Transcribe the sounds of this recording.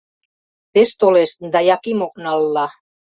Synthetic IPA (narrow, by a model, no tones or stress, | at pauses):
peʃt̪oleʃt̪d̪ɑjɑkimok̚nɑlːɑ